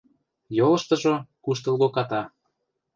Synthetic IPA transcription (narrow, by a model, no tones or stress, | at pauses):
jolɤ̆ʃt̪ɤ̆ʒokuʃt̪ɤ̆lɣokɑt̪ɑ